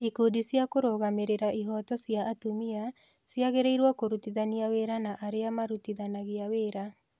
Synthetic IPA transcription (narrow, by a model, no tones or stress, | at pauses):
ikodisjakoɾoːɣameɾeɾaʔiɦɔtɔsjaʔːtomia | sjaɣeɾeiɾwɔkoɾutiðaniaweːɾanaʔaɾeamaɾutiðanaɣeaweːɾa